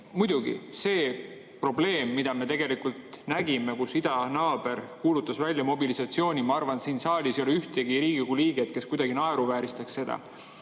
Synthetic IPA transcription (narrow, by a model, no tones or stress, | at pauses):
mujd̪̥uɡḭse̞ː | pro̞ble̞ːmːid̪̥ɑme̞t̪e̞ɡ̥e̞likult̪næɡime̞kusid̪̥ɑnɑːb̥e̞rkuːlut̪ːˑɑsvælʲjɑmo̞bilisɑt̪sio̞ːnʲimɑɑrvɑnsiːnsɑːlʲiso̞leyht̪eɡ̥iɾiːɡ̥iɡuliːɡ̥et̪̚ke̞skujd̪ɑɡ̥inɑeɾuvæːɾist̪ɑksse̞d̪̥ɑ̰